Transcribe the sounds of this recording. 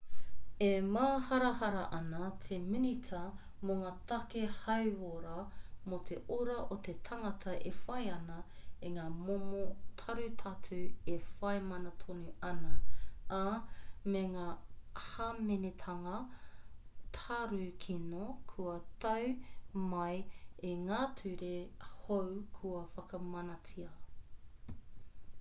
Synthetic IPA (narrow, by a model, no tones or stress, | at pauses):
emaːhɐɾɐhɐɾɐʔɐnɐtʰeminitʰɐ | moŋaːt̪ɐkehɐwoɾɐmot̪ʰeʔoɾɐʔot̪et̪ʰɐŋɐtʰɐʔefɐjɐnɐeŋaːmomotʰɐɾʉtʰɐtʰʉefɐjmɐnɐtʰonuɐnɐameŋaːhamenet̪ʰɐŋɐ | tʰaɾʉkʰinokʰuɐt̪ɐwmɐjeŋaːtʰʉɾehowkʰuɐfɐkɐmɐnɐt͡sʰiɐ